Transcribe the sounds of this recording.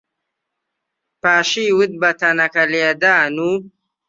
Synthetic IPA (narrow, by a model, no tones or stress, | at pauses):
paːʃiːwɨt̪̚bɐt̪ɐnɐkɐleːd̪aːnuː